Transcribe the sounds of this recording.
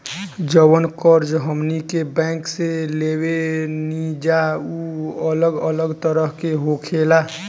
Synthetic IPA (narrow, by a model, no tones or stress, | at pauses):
d͡ʒəwənkəɾd͡ʒɦəmnikebɛ̃ːŋkseleːwenid͡ʒauələɡələɡt̪əɾəɦkeɦokʰeːla